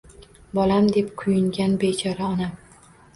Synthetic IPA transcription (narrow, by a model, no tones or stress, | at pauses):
bɒlamd̪e̞pkʰʊjɪŋɡʲanbet͡ʃʰɒɾaɒnam